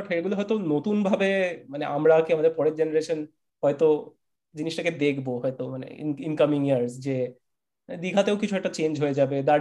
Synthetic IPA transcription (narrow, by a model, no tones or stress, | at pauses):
ʈeɡuloɦɔet̪onot̪unbʱabemaneʔamɾakiamad̪eɾpɔɾeɾd͡ʑenaɾeʃon | hɔet̪o | d͡ʑiniʃʈaked̪ekʰboɦɔet̪omanḛḭinkamiŋiaɾsd͡ʑe | d̪iɡʱat̪eokit͡ɕʰuɛk̚ʈat͡ɕend͡ʑɦoed͡ʑabed̪a